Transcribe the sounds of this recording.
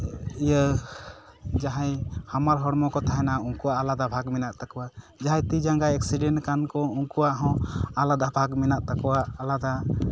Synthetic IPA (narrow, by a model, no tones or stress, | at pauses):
ijə | d͡ʒaɦajhamaɾɦɔɽmɔkɔt̪ʰaɦɛnauŋkuwaʔːlad̪abʱaɡminaʔt̪akuwa | d͡ʒaɦãjt̪id͡ʒaŋɡajɛk̚siɖɛnʈkankɔuŋkuwaʔɦɔ̃alad̪abʱaɡminaʔt̪akuwaʔːlad̪a